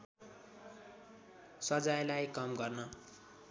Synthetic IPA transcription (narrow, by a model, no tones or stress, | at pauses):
sʌd͡zajlajkʌmɡʌrnʌ